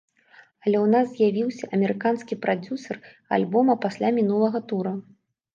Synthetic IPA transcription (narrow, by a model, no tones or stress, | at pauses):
ɐlʲɛwnazzʲjavʲiwsʲɐʔɐmʲɛɾɨkanskʲipɾad͡zʲusɐr | a̰lʲbɔmɐpasʲlʲamʲinulˠɐɣɐt̪uɾɐ